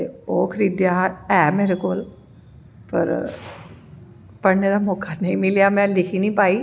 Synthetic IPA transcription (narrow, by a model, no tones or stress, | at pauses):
oːkʰɾid̪jaɛːmeːɾekoːl | pɐ̰ɾ | pɐɽned̪amɔːkʰːanɐɦĩmɪlijamɛ̃lɪkʰinəĩpaːiː